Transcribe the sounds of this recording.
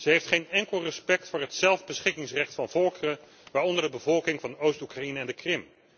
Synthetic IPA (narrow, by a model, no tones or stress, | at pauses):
z̥əɦejftχejnɛŋkəlˠrəspɛk̚tfʊːɹɦətsɛlˠvbəsχɪkɪŋsrɛχtfɑnv̥ɔlˠkərə | ʋaːɹɔndəɹdəbəvɔlˠkɪŋvɑndəowstukrainəɛndəkrɪm